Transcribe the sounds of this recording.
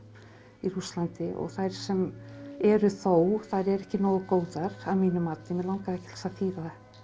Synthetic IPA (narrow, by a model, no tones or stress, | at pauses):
iɾust̪lant̪ɪʔɔ̰ɣθajɾ̥sɛmɛɾʏθowθaɾɛɾɛhcɪnɔːɣʏkoːwðaɾ̥avmiːnʏmːat̪nɪmɛðlawŋkaacɪ̥l̥saθiːvaða